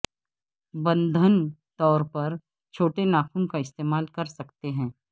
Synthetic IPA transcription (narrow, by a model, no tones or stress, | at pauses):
bɐ̃nd̪ʱənt̪ɔːɾpɐɾ | t͡ʃʰoːʈenaːkʰumkaɪst̪eːmaːlkɐɾsɐkt̪eɦɛ̃ː